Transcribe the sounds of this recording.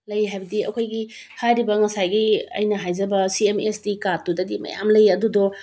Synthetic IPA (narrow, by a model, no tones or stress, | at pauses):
lɐjɦajbɐdiɐ̰kʰojɡi | hajɾibɐŋɐsajɡiɐ̰jnɐɦajd͡ʒɐbɐsiemestikatudɐdimɐ̰ja̰mlɐjɐdudɔ